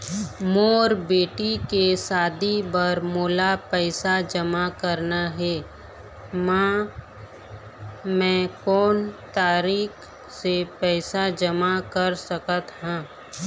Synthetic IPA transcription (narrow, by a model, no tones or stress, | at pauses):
moːɾbeːʈikesaːd̪ibəɾmoːlapɛːsad͡ʒəmakəɾnaɦɛː | mã | mɛ̃ːkɔːnt̪aːɾiːk | sepɛːsad͡ʒəmakəɾsəkət̪ɦɛ̃ː